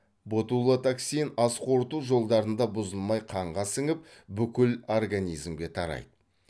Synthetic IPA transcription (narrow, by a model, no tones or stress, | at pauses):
bot̪ulˠət̪aksijnɑsqʰo̞ɾt̪uʒo̞lˠd̪ɑɾənd̪ɑbʊzəlˠmɑjqʰɑɴʁɑsɪŋɪp̚ | bʏkʲɪlo̞rɡanʲijzmɡʲe̞t̪ʰɑɾɑ̰jd̪ə